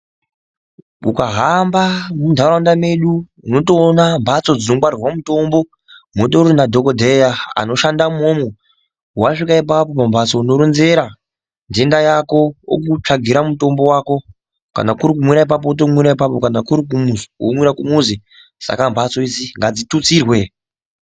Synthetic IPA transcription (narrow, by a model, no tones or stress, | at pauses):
ukaɦambamundʱaɾandame̞ɗu | uno̞toːnambʱat͡so̞d͡zino̞kwarirwamuto̞mbo̞ | motoɾinadʱokodʱejaa̰no̞ʃandamomu | waʂikaip̬ap̬o̞pambʱat͡so̞uno̞ɾunze̞ɾa | nde̞ndajako̞jo̰kut͡ʂaɡʱiɾamuto̞mbo̞wako̞ | ka̰nakuɾik̬umwiɾaip̬ap̬o̞ut̬o̞mwiɾaipapo̞kanakuɾik̬umuwo̰mwiɾakumuze | sa̰kambʱat͡so̞iziŋɡad͡zitut͡sirwe